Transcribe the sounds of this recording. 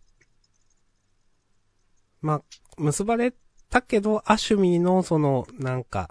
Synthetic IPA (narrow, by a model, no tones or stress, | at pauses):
mamɯ̟sɨbaɾe̞ | t̪ake̞d̪o̞ʔaɕɨmʲino̞so̞no̞nãŋka̰